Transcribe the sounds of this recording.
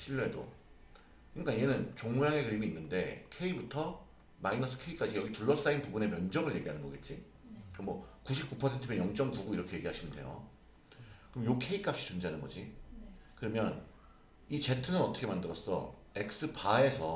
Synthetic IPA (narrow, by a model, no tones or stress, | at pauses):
ɕʰiʎːɦedo̰ | kɯik͈anijenɯnt͡ɕoŋjaŋe̞kɯɾimiːnːɯnde̞̰kʰe̞ibutʰʌ | mainʌs͈ʰɯ̥kʰe̞ik͈ad͡ʑijʌɡituɭːʌs͈ainpubune̞mjʌnd͡ʑʌŋɯɭje̞ɡiɦanɯnɡʌɡe̞t̚t͡ɕ͈i | kɯɾʌmwʌkuɕʰip̚k͈upʰʌsʰe̞ntʰɯmjenjʌŋt͡ɕ͈ʌŋpuɡuiɾʌkʰe̞je̞ɡiɦaɕʰinɯnde̞̰jo̰ | kɯɾʌmjokʰe̞ik͈ap̚ɕ͈i̥t͡ɕund͡ʑeanɯnɡʌd͡ʑi | kɯɾʌmjʌn | it͡ɕe̞tʰɯnɯnʌtʰʌkʰemandɯɾʌs͈ʌ̰ | e̞k̚s͈ɯpae̞sʰʌ